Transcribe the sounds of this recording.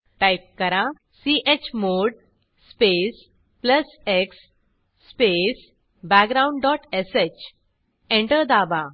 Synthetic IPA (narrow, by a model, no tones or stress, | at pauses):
ʈajp̚kəɾã | siʔet͡ɕmoɽ | spes | pləs | eksː | pes | bakɡɾaw̃ɳɖɖɔʈeset͡ɕ | ẽɳʈəɾd̪aba